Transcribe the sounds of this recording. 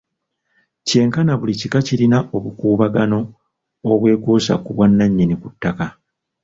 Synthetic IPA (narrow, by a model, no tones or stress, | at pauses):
ce̞ːŋkanaβulicikaciɾinaʔo̞βukuːβaɡano̞ː | βwe̞ːkoːsa̰kuβwanːaɲːenikutːaka